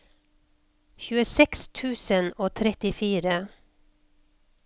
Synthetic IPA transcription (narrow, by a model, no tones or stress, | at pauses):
çʉːəsɛkst̪ʰʉːsənoːt̪ʰɾɛt̪ɪfiːɾə